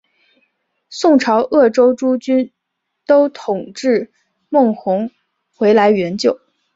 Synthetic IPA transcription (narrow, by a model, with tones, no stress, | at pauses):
sʊ˥˩ŋʈ͡ʂʰɑ˧˥ʊʔɤ˥˩ʈ͡ʂo˥ʊʈ͡ʂu˥t͡ɕy˥n | t̪o˥ʊt̪ʰʊ˨˩ŋʈ͡ʂɻ̩˥˩ | mɤ˥˩ŋxʊ˧˥ŋ | xwe˧˥ɪla˧˥ɪɥɛ˧˥nt͡ɕjo˨˩˦ʊ